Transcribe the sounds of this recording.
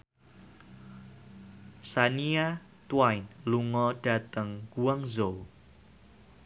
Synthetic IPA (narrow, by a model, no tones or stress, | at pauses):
sania | t̪wajnluŋɔɖ̥a̤t̪əŋkuwaŋzo